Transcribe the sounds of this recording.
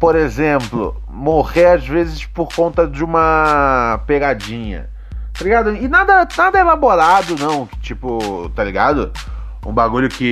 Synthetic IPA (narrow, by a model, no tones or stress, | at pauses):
poɾezẽmplʊ̰ | moʁeazvezɪspoɾkõnt̪ɐd͡ʒɪũmɐ | peɡad͡ʒĩɲɐ̰ | t̪aliɡad̪ʊɪnad̪ɐnad̪ɐelaboɾad̪ʊnɐ̃w̃kt͡ʃipʊt̪aliɡad̪ʊ | ṵ̃baɡuʎʊkɪ